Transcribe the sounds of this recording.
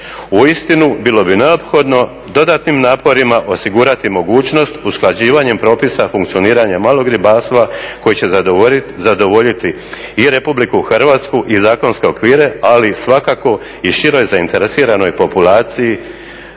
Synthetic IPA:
uist̪inubilo̞bine̞opxo̞d̪no̞ | d̪o̞d̪aːt̪nimnaːpo̞ɾimaʔo̞siɡuːɾat̪imo̞ɡuːt͡ʃno̞st̪usklˠad͡ʑiːʋaɲe̞mpɾo̞ːpisafuŋkt̪sio̞niːɾaɲamaːlˠo̞ɡɾibaːst̪ʋako̞jit͡ɕe̞zad̪o̞ʋo̞ʎit̪iː | ɾe̞publikuxrʋaːt̪skuʔizaːko̞nske̞o̞kʋiːɾe̞alisʋakako̞ | iʃiɾo̞jzaint̪e̞ɾesiːɾano̞jpo̞pulaːt̪siji

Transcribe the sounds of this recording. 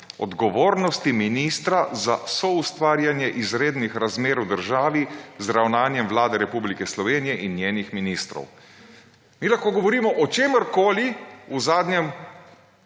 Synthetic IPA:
ɔ̰d̪ɡɔʋoːɾnɔst̪iminiːst̪ɾazasɔust̪ʋaːɾjanjɛʔizɾeːd̪nixɾazmeːɾwd̪əɾʒaːʋizɾawnaːnjɛmʋlaːd̪ɛɾɛpublikɛslɔʋeːnijɛʔinːjeːnixminist̪ɾɔ̰w | miːlaxkoːɡɔʋɔɾiːmɔʔɔt͡ʃeːməɾkoːliuzaːd̪ɲɛm

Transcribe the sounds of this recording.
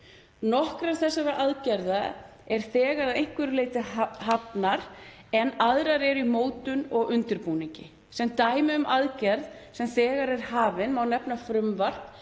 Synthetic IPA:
nɔhkɾaɾθɛsːaɾaʔaðcɛɾða | ɛɾ̥θɛːɣaɾaðejŋ̥kvɪɾleːjt̪ɪaɦapnaɾ̥ | ɛnaðɾaɾɛɾimoːwt̪ʏnɔɣʏnt̪ʏɾpuːniɲcɪ | sɛmt̪aːjmɪʏmʔaðcɛɾðsɛmθɛːɣaɾɛɾ̥haːvɪnmawnɛpnafɾʏmvar̥t̪

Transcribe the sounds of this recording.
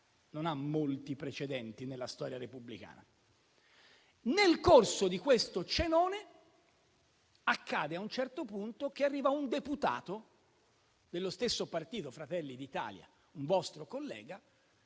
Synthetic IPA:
nonamːolt̪ipɾet͡ʃed̪ɛnt̪inelːast̪ɔːɾjaɾepublika̰ːna | nelkorsod̪ikwest̪ot͡ʃenɔːne | akːaːd̪eaunt͡ʃɛrt̪opunt̪ok̟earːiːvaund̪eput̪a̰ːt̪o | d̪elːost̪esːopart̪iːt̪ofɾat̪ɛlːid̪it̪a̰ːlja̰ | uɱvɔst̪ɾokolːɛ̰ːɡa

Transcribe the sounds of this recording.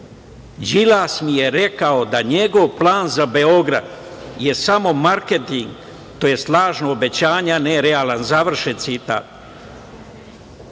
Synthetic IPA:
d͡ʑilaːsmije̞ɾe̞kaod̪aɲe̞ɡo̞ʋplˠaːnzabe̞o̞ɡɾa̰d̪ | je̞samo̞maɾket̪iŋɡ | t̪oje̞slˠaːʒnoobe̞t͡ɕaːɲaneɾeaːlˠanzaʋr̩ʃet̪sit̪a̰ːt̪̚

